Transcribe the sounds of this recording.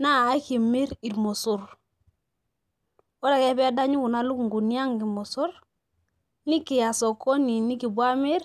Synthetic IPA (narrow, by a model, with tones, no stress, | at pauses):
naː˦˨˦ki˨mi˦ɾi˨ɾmo˨su˨ɾ | wo˦ɾa˨ke˦bɛ˦a˦da˦ɲu˦ku˨na˨lu˦kŋ˨ɡu˨ni˦ja˦ŋɡi˨mo˨su˦ɾ | ni˦ki˨ja˨so˨ko˦ni˨ni˦ki˨bu˦a˦mi˦ɾ